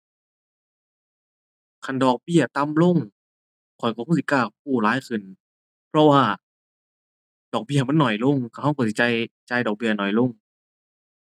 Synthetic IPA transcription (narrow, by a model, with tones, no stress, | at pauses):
kʰa˧˩˨ndɔː˨˩k̚bi˧˩ɐt̪a˧˥˨mlo˧˥˨ŋ | kʰɔ˨˩jkɔ˧˩kuː˧˥˨si˧˩kaː˧˩k̚ʰuː˧˩laː˨˥˦jkʰɯ˧˩˨n | pʰɔ˧waː˧˩ | dɔː˨˩k̚bi˧˩ɐ˨ma˧˥˨nːɔ˨˩jlo˧˥˨ŋkʰa˧˩ha˧˥˨wkɔː˧˩si˧˩t͡ɕa˧jt͡ɕaː˧˩jdɔː˨˩k̚bi˧˩ɐnɔ˨˩jlo˧˥˨ŋ